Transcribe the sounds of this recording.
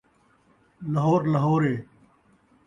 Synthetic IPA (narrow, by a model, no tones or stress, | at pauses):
ləɦoːɾlɐɦoːɾeː